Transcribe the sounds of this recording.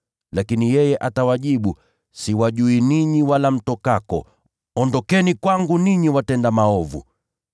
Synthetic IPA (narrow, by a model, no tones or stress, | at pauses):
lakinijɛjɛʔatawaʄiɓu | siwaʄuiniɲiwalam̩tɔkakɔ̰ | ɔndɔkɛnikwaŋɡuniɲiwatɛndamaɔvṵ